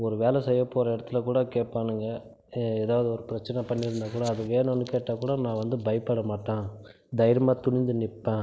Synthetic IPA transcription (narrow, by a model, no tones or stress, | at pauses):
ɔɾɯʋeːlɛsɛjːɐpːoːɾɐɪɽɐt̪ːɯlɐkuːɽɐkeːʈ̚paːnɯŋɡɐ | eːðaːʋɐðɯɔɾɯpɪɾɐt͡ʃːɐnɛpɐɳːɪɾɯnd̪aːkuːɽɐːðɯʋeːnʊnːɯkeːʈːaːkuːɽɐnãːʋɐnd̪ɯbɐɪpːɐɽɐmaːʈːãː | d̪ɐɪjɾɐmaːt̪ʊɳɪɲd͡ʒ̪ɯnɪpːẽː